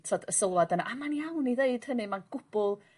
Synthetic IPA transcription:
tʰɔdəsəlˠwadənaʔamanjawniðeɨd̥hənɨmanɡ̥ʊb̥ʊlˠ

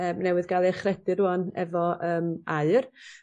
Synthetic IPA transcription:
əːmnɛwɨðɡalˠiχrɛdɨɾuɔnɛ̰vɔʔəːmaɨr

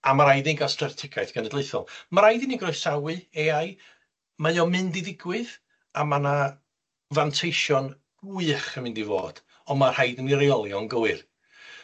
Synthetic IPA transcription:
amaɾajdinɡastrɛrtʰɪkʰajθɡ̥ʰənədlˠeɨθɔ̰lˠmaɾajdiniɡrɔjsawɨeaj | majɔmɨndiðɪɡwɨð | amana | vantʰejʃɔn | ɨχəmɪndivo̰ːd̥ | ɔnmarhajdəniɾeɔlˠjɔnɡəwɨr

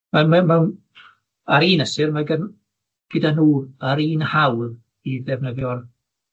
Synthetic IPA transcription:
mamɛmɛwn | aɾiːnəsɪrmaɡən | ɡ̥ɪdanuːaɾiːnhawð | iðɛvnəðjɔr

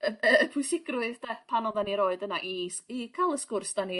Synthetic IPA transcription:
əpʰʊɨsɪɡrwɨðtʰɛpʰanɔðaniɾoːɨdənaʔisikʰalˠəskʊrsd̥ani

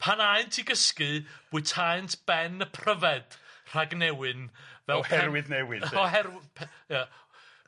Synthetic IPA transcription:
pʰanaɨntʰiɡəskɨb̥ʊɨtʰajntʰb̥ɛnəpʰrəvɛd̥r̥aɡnɛwɨnvɛhɛɛɾwɨðnɛwɪɔhɛrpʰja

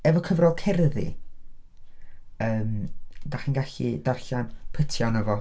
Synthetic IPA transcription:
ɛvɔkʰəvrɔlˠkʰɛrðḭ | əːmd̥aχinɡaɬḭdarɬanpʰətʰjɔnəvɔ

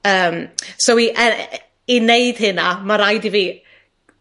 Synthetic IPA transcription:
əːmsowiʔə | ineɨd̥hɨnamaɾajdiviː

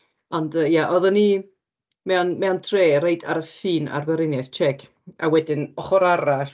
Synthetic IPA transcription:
ɔndəːjaʔɔðəni | mɛwnmɛwntʰreːɾejda̰ɾəɬiːna̰rvəɾɪnjɛθt͡ʃʰɛɡ | awɛdɪnɔχɔɾaɾaɬ

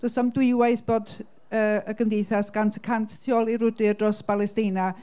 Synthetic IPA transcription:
d̥ɔsamdwɪwajθb̥oːd | əːəɡəmdejθasɡ̥antʰə̥kʰantʰtʰjɔlˠiɾʊdɨrdrɔsbalˠɛstɪna

